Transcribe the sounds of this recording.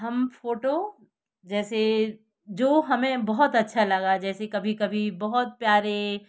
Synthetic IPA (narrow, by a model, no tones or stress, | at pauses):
ɦɐmfoːʈo | d͡ʒɛːse | d͡ʒoːɦɐmẽbɐɦʊt̪ɐtːʃʰalɐɡad͡ʒɛːsekɐbʱikɐbʱibɔɦʊt̪̚pjaːɾe